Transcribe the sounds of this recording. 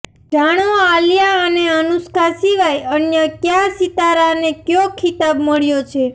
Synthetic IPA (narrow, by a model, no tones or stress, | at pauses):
ɖʱaɽ̃oaljaəneənuskʰasiʋajənjəkjasit̪aɾanekjokʰit̪abməɭjot͡ʃʰe